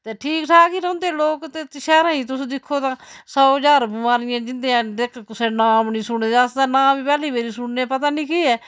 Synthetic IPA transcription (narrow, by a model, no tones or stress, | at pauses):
t̪eːʈʰiːkʈʰaːkiːɾəʊ̃nd̪eːloːkt̪eːt̪ʃɛːɾãːĩːt̪ʊsːd̪ɪkʰːoːt̪ãːsɔːəd͡ʒaːɾbʊmaːɾɪjãːd͡ʒɪnd̪eːãːdekʰkʊsẽːnaːmnĩːsʊɳeːəsd̪ãːnãːbiːpɛːliːbeːɾiːsʊɳnepət̪aːnĩːkiːɛː